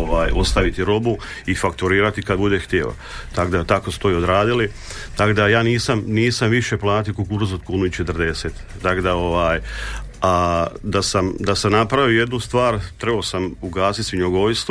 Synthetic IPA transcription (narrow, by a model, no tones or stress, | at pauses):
oʋaːjo̞st̪aʋit̪iɾo̞bu | ifak̚t̪uɾiːɾat̪ikad̪bud̪e̞xt̪jḛːʋa̰ | t̪akod̪at̪akosu̥t̪o̞iod̪ɾaːd̪ili | t̪akod̪ajaːniːsamniːsamʋiʃe̞plˠaːt̪iokukuɾs̬ot̪kuːnuit͡ʃet̪ɾd̪e̞seːt̪ːakod̪ao̞ʋaːjad̪asamd̪asamnapɾaʋije̞d̪nust̪ʋaːɾt̪ɾe̞basamuɡaːsit̪siɲoɡojst̪